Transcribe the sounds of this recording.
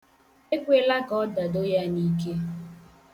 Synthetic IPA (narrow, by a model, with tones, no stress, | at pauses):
e˦kʷe˦la˦kɔ˦da˨do˦ja˦ni˦ke˦